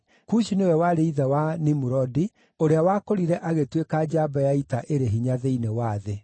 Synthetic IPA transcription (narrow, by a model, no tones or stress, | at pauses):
kuʃinewɛwaɾeiðawanimuɾɔdi | oɾeawakoɾiɾɛʔaɣetwekad͡ʑabajaitaʔeɾeɦiɲaðeinewaːðe